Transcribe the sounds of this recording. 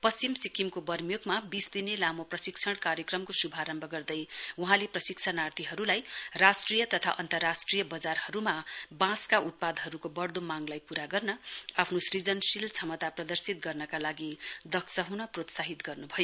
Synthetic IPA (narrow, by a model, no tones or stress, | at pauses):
pʌst͡simsikimkobʌrmjoɡmabisd̪inelamoprʌsiksʰʌɽ̃kaɾjekrʌmkosubʱaɾʌmbʱʌɡʌrd̪ʌjuɦãleprʌsiksʰanart̪iɦʌɾulajrasʈrijʌt̪ʌt̪ʰa̰ʔʌnt̪ʌrːasʈrijʌbʌd͡zarhʌɾumabãskaʔut̪̚pad̪ɦʌɾukobʌrd̪omaŋlajpuɾaɡʌrnʌapʰnosrid͡zʌnsilt͡sʰʌmʌt̪aprʌd̪ʌrsit̪̚ɡʌrnʌkalaɡid̪ʌksʌɦunʌprot̪saɦit̪ɡʌrnubʱʌjo